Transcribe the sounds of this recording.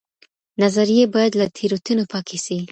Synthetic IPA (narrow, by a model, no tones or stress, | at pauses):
nazaɾijebɑjad̪lat̪ʰeɾot̪unopɑkʰesi